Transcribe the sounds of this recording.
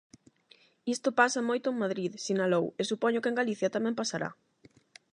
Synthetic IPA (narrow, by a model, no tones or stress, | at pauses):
ist̪ʊpasɐmojt̪ʊeŋmaðɾiðsinalowesupɔɲʊkeŋɡaliθjɐt̪amɛ̃mpasaɾa̰